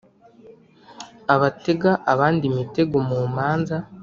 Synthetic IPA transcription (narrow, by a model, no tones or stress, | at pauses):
aβate̞ɡaʔaβaːndimite̞ɡomuːmaːnza